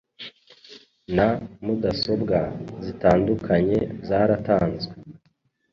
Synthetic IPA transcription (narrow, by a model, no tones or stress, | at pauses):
namudaso̞bɡazitaːndukʰaɲe̞zaːɾataːnzɡwe